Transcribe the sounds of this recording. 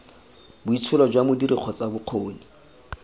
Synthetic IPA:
bʊit͡sʰʊlɔd͡ʒwamʊdiɾʔiq͡χʰɔt͡sabʊq͡χʰoːni

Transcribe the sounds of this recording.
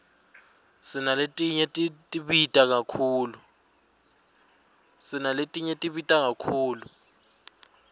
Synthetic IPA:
sinaletʼiɲɛtʼitʼiɓitʼak̬akʰuːlu | sinaletʼiɲɛtʼiɓitʼak̬akʰuːlu

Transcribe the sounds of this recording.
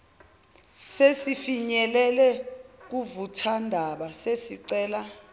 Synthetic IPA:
sesifiɲɛlɛlɛk̬uvutʰandʱaɓasesiǀɛːla

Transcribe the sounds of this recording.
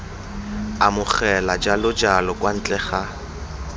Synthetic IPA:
amʊχɛlad͡ʒalʊd͡ʒalɔkʼwan̩t͡ɬʼɛχa

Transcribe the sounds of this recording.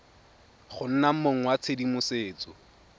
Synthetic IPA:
χʊn̩nam̩moŋ̩wat͡sʰedimʊseːt͡sɔ

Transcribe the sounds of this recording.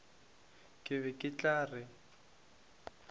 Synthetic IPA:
kʼɪβɛkʼɪt͡ɬʼaːrɪ

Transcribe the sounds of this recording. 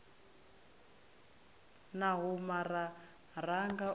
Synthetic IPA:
naɦumara | raŋɡa

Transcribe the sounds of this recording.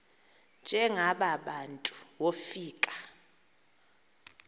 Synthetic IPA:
nd͡ʒʱɛŋaɓaɓantʼu̥wofiːkʼḁ

